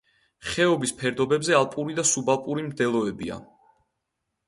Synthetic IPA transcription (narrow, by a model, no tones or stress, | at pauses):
χɛɔbispʰɛɾd̪ɔbɛbzɛalˠpʼuɾid̪asubalˠpʼuɾimd̪ɛlˠɔɛbia̰